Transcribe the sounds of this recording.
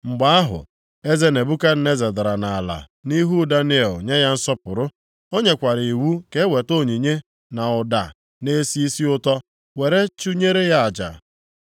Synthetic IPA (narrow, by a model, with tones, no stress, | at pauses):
ŋ͡m̩˨ɡ͡ba˦a˦ɦʊ̰˨ | e˦ze˦ne˨bu˦ka˦n̩˦ne˦ze˨da˨ɾa˨na˨a˨la̰˨ | ni˦ɦu˦da˦ni˦e˨lɲe˦ja˦n̩˦sɔ˦pʊ˨ɾʊ˦ | o˦ɲe˨kʷa˨ɾi˨i˨wu˦ke˦we˨to˦˨ɲi˨ɲe˦ | na˨ʊ˨da̰˨ | ne˦si˦i˦si˦ʊ˦tɔ˦ | we˨ɾe˦t͡ʃu˦ɲe˦ɾe˦ja˦a˨d͡ʒa̰˨